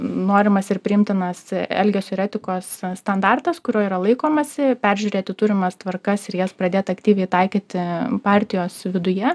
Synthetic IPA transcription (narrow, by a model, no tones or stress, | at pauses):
noːɾʲɪmɐsɪɾpʲɾʲɪɪmʲt̪ʲɪnɐsɛlʲɡʲɛsʲɪɾʲɛːt̪ʲɪkoːssːt̪ɐnd̪ɑrt̪ɐskʊɾʲoːiːɾɐlˠɐɪkoːmɐsʲɪpʲæɾʲʒʲʉɾʲeːt̪ʲɪt̪ʊɾʲɪmɐst̪ʋɐrkɐsɪɾjɛspɾɐd̪ʲeːt̪ɐkt̪ʲiːʋʲɛɪt̪ɐɪkʲiːt̪ʲɪpɑːɾʲt̪ʲɪjoːsʋʲɪd̪ʊjɛ